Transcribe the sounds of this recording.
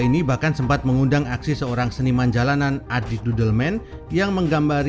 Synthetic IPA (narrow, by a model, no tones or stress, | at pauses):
inibahkansəmpat̪̚məŋundaŋaksisəoɾaŋsənimand͡ʒalananʔadidudəlmɛn | jaŋməŋɡambaɾ